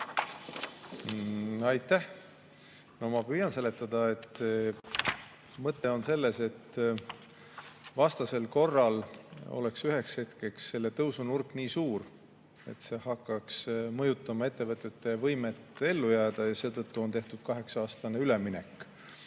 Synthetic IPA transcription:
ɑjt̪ːˑæh | no̞mɑpyːjɑnse̞le̞t̪ːˑɑd̪̥ɑe̞t̪ː | mɤt̪ːˑe̞o̞nse̞lːe̞se̞t̪ː | vɑst̪ɑse̞lko̞rːɑlo̰le̞ksyɦe̞kshe̞t̪ke̞ksːe̞lːe̞t̪ɤwsunurkːˑniːsuːr | e̞̰t̪ːse̞ːhɑkːɑksmɤjut̪ːˑɑmɑe̞t̪ːe̞vɤt̪ˑːe̞t̪ːe̞vɤjmet̪ːˑe̞lːujæːd̪̥ɑjɑse̞ːt̪ɤt̪ːuo̞nt̪e̞ht̪ud̪̥̚kɑɦe̞ksɑɑːst̪ɑneylemine̞̰kˑː

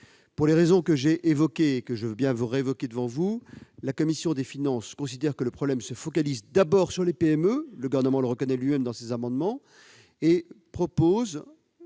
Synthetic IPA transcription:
puʁleʁezɔ̃kəʒeʔevɔkʲeːkəʒəvøbjɛ̃vuʁeevɔkʲed̪əvɑ̃vulakɔmisjɔ̃d̪efinɑ̃skɔ̃sid̪ɛʁkələpχɔblɛmsəfɔkalizd̪abɔʁsyʁlepeɛmøləɡuvɛʁnəmɑ̃ləʁəkɔnɛlɥimɛmd̪ɑ̃sezamɑ̃d̪mɑ̃ | epχɔpoz

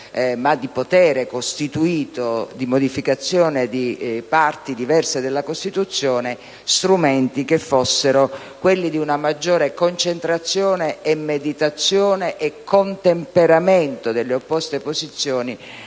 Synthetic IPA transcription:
mad̪ipot̪ɛːɾekost̪it̪uiːt̪od̪imod̪ifikat̪sːjoːned̪ipart̪id̪ivɛrsed̪elːakost̪it̪ut̪sːjoːne | st̪ɾument̪ikefːosːeɾo | kwelːid̪iunamad͡ʒːoːɾekont͡ʃent̪ɾat̪sːjoːneːmːed̪it̪at̪sːjoːneʔekʰːont̪empeɾament̪od̪elːeopːɔst̪epozit̪sːjoːni

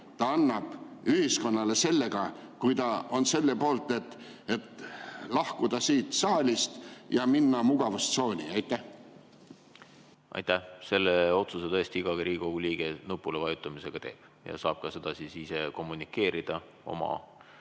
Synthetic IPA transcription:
t̪ɑɑnːɑb̥yhisko̞nːɑle̞se̞lːe̞ɡ̥ɑkujt̪ɑo̞nse̞lːe̞po̞ːlt̪ːˑe̞t̪ | e̞t̪lɑhkud̪̥ɑsiːt̪sɑːlʲist̪jɑminːɑmuɡ̥ɑvust̪so̞ːnʲiɑjt̪ˑːæh | ʔɑ̰jt̪æse̞lːeo̞t̪suset̪ɤest̪iiɡ̥ɑɡeɾʔiːko̞ɡ̥uliːɡ̥enupːˑulevɑjut̪ːˑɑmise̞ɡ̥ɑt̪e̞ːb̥ | jɑ̰sɑːb̥̚kɑse̞d̪̥ɑsisise̞ko̞mːunikːˑe̞ːɾid̪̥ɑ | o̞̰mɑ̰

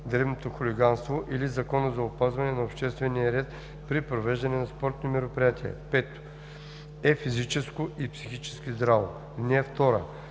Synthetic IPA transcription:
d̪ɾɛvnot̪oxʊliɡanst̪voʔilizɐkɔnəzɐʊpazvɐnɛnɐopʃt̪ɛst̪vɛnijɐɾɛt̪ | pɾipɾovɛʒd̪ɐnɛnɐspɔɾt̪nomɛɾopɾijat̪iɛ̰pɛt̪o̥ | ɛfizit͡ʃɛskoʔipsi̥xit͡ʃɛ̥skizd̪ɾavo̰ | nɛɛft̪ɔɾə̰

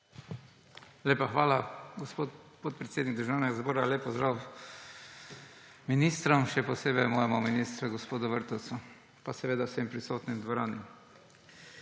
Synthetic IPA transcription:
leːpaxʋaːlaɡospot | pot̪̚pɾɛt̪seːd̪niɡ̚d̪ɾʒaːwnɛɡazbɔːɾaleːpɔzd̪ɾaw | minist̪ɾɔmʃɛpɔseːbɛjmɔːjɛmɔminist̪ɾuɡospoːd̪ʊʋəɾt̪ɔt̪su | pasɛʋeːd̪asempɾisoːt̪nimd̪ʋɔɾaːnim

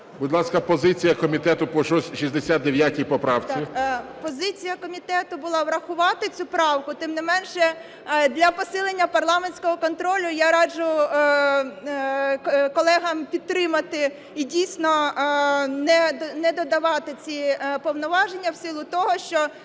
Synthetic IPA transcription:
bʊd̪ʲlˠɑskɐpɔzɪt͡sʲijɐkɔmʲit̪ɛt̪ʊpɔʃɔsʲʃizd̪esʲat̪̚d̪eʋʲjatʲijpɔpɾɑwt͡sʲipɔzɪt͡sʲijɐkɔmʲit̪ɛt̪ʊbʊlˠɑʋɾɐxʊʋɑt̪ɪt͡sʲupɾɑwkʊt̪ɪmnɪmɛnʃɛ | d̪lʲɐpɔsɪlˠenʲːɐpɐrlˠɑmenʲsʲkɔɦɔkɔnt̪ɾɔlʲʊjaɾɑd͡ʒʊ | kkɔlˠɛɦɐmpʲid̪̚ɾɪmɐt̪ɪ | idʲijsʲnɔ | nɛnɛd̪ɔd̪ɐʋɑt̪ɪt͡sʲipɔwnɔʋɑʒenʲːɐwsɪlˠʊt̪ɔɦɔʃt͡ʃɔ

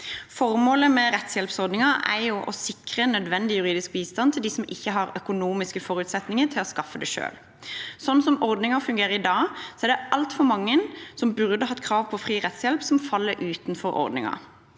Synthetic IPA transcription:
fɔɾmoːləmɛʁɛt̪sjɛlpsɔʁd̪nɪŋɑæjʊʔɔsɪkʁənœd̪ʋɛnd̪ɪjʉɾiːd̪ɪsk̚biːst̪ɑnt̪ʰɪld̪iːsɔmɪçːəɦɑɾœkʊnuːmɪskəfɔɾʉt̪sɛt̪nɪŋət̪ʰɪlɔskɑfːəd̪ɛʃø̰ːl | sɔnːsɔmɔɾd̪nɪŋɑfʉŋɡeːʁəɾɪd̪ɑːsɔɛɾd̪ɛʔɑlt̪fɔɾmɑŋːənsɔmbʉʁd̪əɦɑt̪ːkʰɾɑːʋpʰɔfʁiːʁɛt̪sjɛlpsɔmfɑlːəɾʔʉːt̪nfɔɾɔ̰ɾd̪nɪ̰ŋɑ̰

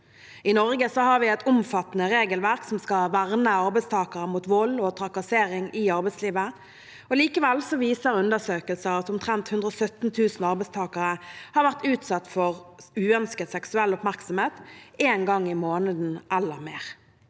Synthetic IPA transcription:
ɪnɔʁɡəsɔhɑɾʋɪɛt̪ʊmfɑt̪ːnəʁeːɡəlʋæʁksɔmskɑʋæʁnəɑʁbɛɪst̪ʰɑːkəʁəmuːt̪ʋɔlɔt̪ʰʁɑkɑseːʁɪŋɪɑʁbɛɪtsliːʋə | ɔliːkəʋɛlsɔʋiːsəʁʉnd̪əsøːkəlsəʁɑt̪ʊmt̪ʰʁɛnt̪hʉnd̪ʁɔsœt̪n̩t̪ʰʉːsn̩ɑʁbɛɪst̪ʰɑːkəʁəhɑʁʋæʁt̪ʉːt̪sɑt̪ːfɔʁʉːœnskəd̪sɛksʉɛlːʊpmæʁksɔmeːt̪eːnɡɑŋːɪmoːnəd̪n̩ʔɛlːəʁmeːʁ

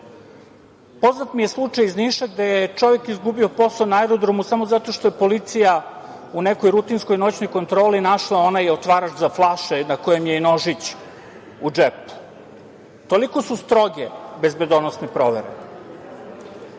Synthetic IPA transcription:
po̞znat̪mije̞slˠut͡ʂajizniːʃaɡd̪ejet͡ʃo̞ʋekizɡubio̞po̞saonaɛɾod̪ɾomusamozat̪o̞ʃt̪oje̞po̞lit̪sija | uneko̞jɾut̪insko̞jno̞t͡ɕno̞jko̞nt̪ɾo̞ːlinaʃlˠao̞najeot̪ʋaːɾat͡ʃzaflˠaʃenakojemjeino̞ʒit͡ɕ | ud͡ʒep | t̪o̞liko̞sust̪ɾo̞ɡebezbe̞d̪onosnepɾo̞ʋḛɾḛ

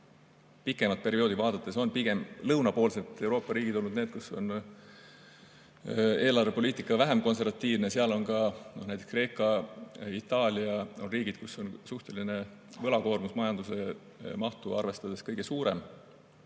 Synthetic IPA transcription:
pikˑːe̞mɑt̪̚pe̞ɾio̞ːd̪ivɑːd̪̥ɑt̪ːˑe̞so̞npiɡ̥e̞mlɤwnɑpo̞ːlse̞t̪ːˑe̞wɾo̞ːpːɑɾiːɡ̥id̪̥o̞lnud̪neːt̪̚kuso̞̰n | e̞ːlɑrve̞po̞liːt̪ˑikːˑɑvæɦemko̞ns̬e̞ɾvɑt̪ˑːiːvneseɑlo̞nkɑnonæjt̪ekskre̞ːkːˑɑit̪ːˑɑːlʲiɑo̞nriːɡ̥id̪̥kusːo̞nsuht̪e̞line̞ | vɤ̞lɑko̞ːrmusmɑjɑnd̪use̞ | mɑht̪uɑrve̞st̪ɑd̪̥e̞skɤjɡ̥e̞suːɾe̞̰m

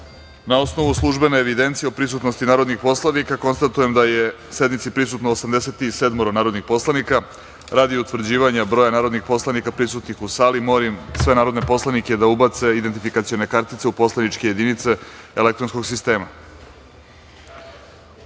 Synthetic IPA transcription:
nao̞sno̞ʋuslˠuʒbe̞neːʋid̪e̞nt̪sijeopɾisut̪nost̪inaːɾo̞d̪nixpo̞slˠanikako̞nst̪at̪uje̞md̪aje | se̞d̪mit̪sipɾisut̪noosamd̪eset̪ise̞d̪moɾonaːɾo̞d̪nixpo̞slˠanika | ɾaːd̪iut̪ʋr̩d͡ʑiːʋaɲabɾo̞janaːɾo̞d̪nixpo̞slˠanikapɾisut̪nixusaːlimoɾimsʋe̞naːɾo̞d̪nepo̞slaniked̪aubat̪se̞id̪ent̪ifikat̪sio̞ne̞kaɾt̪it̪seupo̞slˠanit͡ʃke̞jed̪init̪se̞elekt̪ɾonsko̞ɡsist̪e̞ːma

